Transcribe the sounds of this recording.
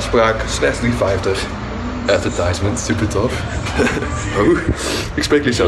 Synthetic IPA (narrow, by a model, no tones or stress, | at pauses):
spraːkslɛχzdrifɛjftəχ | ʔɛtvəɹtajsmə̃ntsypəɹtʰɔf | o | ɪksprejkəlisɛ